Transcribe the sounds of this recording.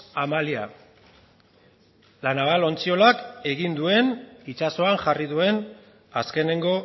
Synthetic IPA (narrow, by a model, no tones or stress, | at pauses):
amalia̰ | lanaβalo̞nt͡sio̞lake̞ɣind̪ue̞nit͡ʃaso̞aŋʝarið̞ue̞n | aske̞ne̞ŋɡo̞